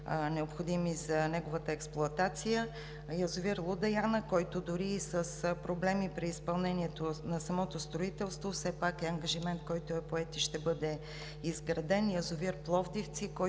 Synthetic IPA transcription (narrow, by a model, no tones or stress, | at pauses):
nɛopxod̪imizɐnɛɡovət̪əɛksplˠʊɐt̪at̪sijə | jɐzʊviɾlˠud̪ɐjanəkɔjt̪od̪ʊɾiːsəspɾoblɛmipɾiːspɐlˠnɛniɛt̪onɐsɐmɔt̪ost̪ɾoit̪ɛlˠst̪vofsɛpakɛɐŋɡɐʒimɛnt̪̚kɔjt̪oɛpoɛt̪iʃt̪ɛbɤd̪ɛ | izɡɾɐd̪ɛnjɐzʊviɾplˠɔvd̪ift̪sikɔ